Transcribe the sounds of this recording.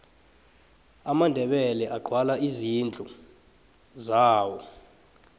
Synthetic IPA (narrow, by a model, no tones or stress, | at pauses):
amandʱɛɓɛlɛʔaɡ͡ǃʱwalaizind͡ɮʱʼu | zaːwɔ